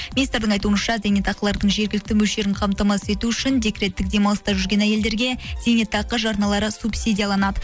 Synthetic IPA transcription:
minist̪ɾd̪ɪɴɑjt̪uənʃɑzʲenet̪ɑqəlˠɑɾd̪əɴʒe̞ɾɡʲɪlɪkt̪ɪmɵlʃe̞ɾɪɴqʰɑmt̪ɑmɑse̞t̪uʏʃɪnd̪e̞kɾe̞t̪ːɪk̚d̪e̞mɑlˠəst̪ɑʒʏɾɡʲe̞næje̞ld̪e̞ɾɡʲe̞z̥e̞net̪ɑqəʒɑɾnɑlˠɑɾəsupsʲid̪ʲijɑlˠɑnɑd̪ə

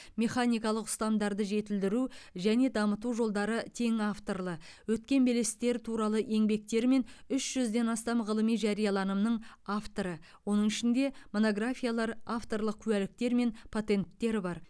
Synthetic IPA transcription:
me̞χanijkɑlˠəqʏ̥st̪ɑmd̪ɑɾd̪əʒe̞t̪ɪld̪ɪɾuʒæne̞d̪ɑmət̪uʒo̞lˠd̪ɑɾət̪ʰe̞ŋaft̪o̞rlˠə | wɵt̪kʲe̞nbe̞le̞sɪ̥t̪e̞ɾɪt̪ʰuɾɑlˠəʔe̞ŋbe̞k̚t̪e̞ɾme̞nʏsʒ̥ʏzd̪e̞nɑst̪ɑmʁəlˠəmijʒɑɾijɑlˠɑnəmnəɴaft̪o̞ɾə | wo̞nəɴɪʃɪnd̪e̞mo̞no̞ɡrafʲijalˠɑɾaft̪o̞rlˠəq̚kʲʰʉælɪk̚t̪e̞ɾme̞npʰot̪e̞nt̪ːe̞ɾɪbɑɾ

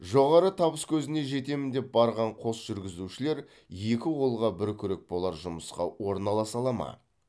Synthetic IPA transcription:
ʒo̞ʁɑɾət̪ʰɑbəskʲʰɵzɪne̞ʒe̞t̪e̞mɪnd̪e̞p̚bɑɾʁɑɴqʰo̞sʒ̥ʏɾɡʲɪzuʃɪle̞ɾ | je̞kʲɪwolˠʁɑbɪɾkʲʰʏɾe̞k̚bo̞lˠɑɾʒʊməsqɑ̰wo̞ɾnɑlˠɑsɑlˠɑmɑ̰

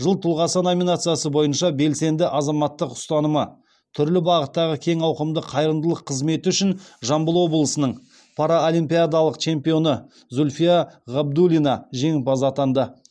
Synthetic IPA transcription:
ʒəlˠt̪ʰʊlˠʁɑsənomʲinat̪sɨjasəbo̞jənʃɑbe̞lse̞nd̪ɪʔɑzɑmɑt̪ːəqʊ̥st̪ɑnəmə | t̪ʰʏɾlɪbɑʁət̪ːɑʁəkʲʰe̞ŋɑwqəmd̪əqʰɑjɾənd̪əlˠəqʰːəzme̞t̪ɪʏʃɪnʒɑmbəlˠo̞blˠəsənəɴ | pʰɑɾaolʲimpʲijad̪alˠəqt͡ʃʰe̞mpijo̞nə | zulʲfijaʁɑb̚d̪ulʲinɑʒe̞ŋpɑzat̪ɑnd̪ə

